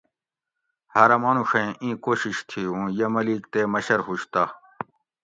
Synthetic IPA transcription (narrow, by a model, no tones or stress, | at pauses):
haːɾɐmaːnũʂɐẽʔĩːkoːɕiɕt̪ʰiũːjɐmɐliːkt̪eːmɐɕɐɾɦuɕt̪aː